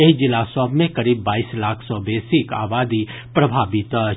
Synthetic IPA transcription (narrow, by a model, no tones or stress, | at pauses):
eɦid͡ʒɪlasɔbmẽkɐɾiːbːaːiːslaːkʰsɔbeːsika̰ːbaːd̪i | pɾɐbʱaːbit̪ə